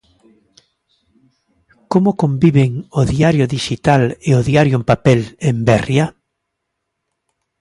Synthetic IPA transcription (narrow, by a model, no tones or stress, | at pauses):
komʊkombiβeŋoðiaɾjʊðiʃit̪aleoðiaɾjʊempapɛlembɛrja